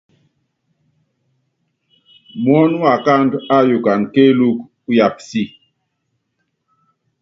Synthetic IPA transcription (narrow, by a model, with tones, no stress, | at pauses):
mwɔ˦n˦wa˨ka˦nda˦ju˨ka˨nke˦lu˦k | u˦ja˨p̚si˦˨